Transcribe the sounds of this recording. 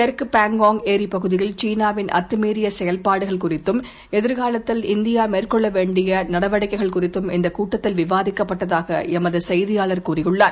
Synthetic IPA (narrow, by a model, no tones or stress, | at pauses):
ɐɾkɯpaːŋɡoːŋeːɾipɐɣɯðɪjɪlt͡ʃiːnaːʋɪnʔɐ̰t̪ːɯmiːɾɪjɐsɛjɐlpaːɽɯɣɐɭkʊrɪt̪ːɯm | ɛðɪɾɣaːlɐt̪ːɪlɪnd̪ɪjaːmeːrkɔɭːɐʋeːɳɖɪjɐnɐɽɐʋɐɽɐɪkːɐɪɣɐɭkʊrɪt̪ːɯmɪnd̪ɐkuːʈːɐt̪ːɪlʋɪʋaːðɪkːɐpːɐʈːɐðaːɣɐ̰ɛmɐðɯsɛjðɪjaːɭɐɾkuːrɪjɯɭːaːn